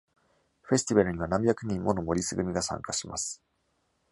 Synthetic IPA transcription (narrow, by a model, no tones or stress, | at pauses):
ɸe̞sɨ̥t̪ʲibaɾɯ̟ɲ̟iβ̞anãmbʲjakɯ̟ɲ̟ĩmːo̞no̞mo̞ɾʲisɨɡɯ̟mʲiɡasã̰ŋkaɕima̰sɨ̥